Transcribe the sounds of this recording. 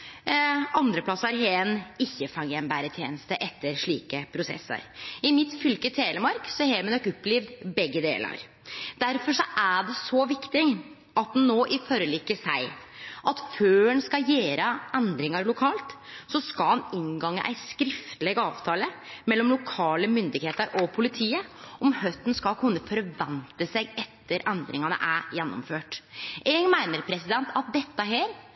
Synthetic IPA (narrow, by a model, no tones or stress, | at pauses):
ɑnd̪ɾəpʰlɑsɑɾɦeːənɪçːəfɑŋjɛmbæːɾət̪ʰjḛːnəst̪əʔɛt̪ːəɾʂɭiːkəpʰɾʊsɛ̰sːə̰ɾɪmɪt̪fʏlkət̪ʰeːləmɑɾksɔheːmɛnɔkːɔpːliːʋd̪bɛɡːəd̪ḛːlə̰ɾ | d̪̥æɾfɔʂɔʔæɖɛsɔʋɪkt̪ɪŋ | ʔɑt̪̚d̪ɛnːoːʔɪfɔɾəliːkːəsæɪʔɑt̪føːɛnskɑjeːɾəʔɛnd̪ɾɪŋɑɾlʊkʰɑːlt̪sɔskɑlhɑnɪŋɡɑŋːə̰ʔæ̰ɪskɾɪft̪əleːɡɑːʋt̪ʰɑːləmɛlːɔmlʊkʰɑːləmʏnd̪ɪɡheːt̪əɾʔɔpʰʊlɪt̪ʰiːəʔɔmhœt̪ːn̩skɑlkʰʉnːəfɔɾʋɛnt̪əsɛɡɛt̪ʰːəɾʔɛnd̪ɾɪ̰ŋɑnə̰ʔæjɛnːɔ̰mføːʈɛɡmæɪnəɾpʰɾɛsɪd̪ɛnt̪ʰɑt̪̚d̪ɛt̪ːəɦeːɾ